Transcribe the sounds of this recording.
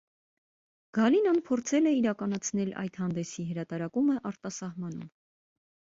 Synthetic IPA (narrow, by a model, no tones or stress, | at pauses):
ɡ̥ɑlinɑnpʰɔɾt͡sʰɛlɛiɾɑkɑnɑt͡sʰnɛlʔɑ̰jt̪hɑnd̪ɛsiɦəɾɑt̪ɑɾɑkuməʔɑɾt̪ɑsɑhmɑn̪ṵm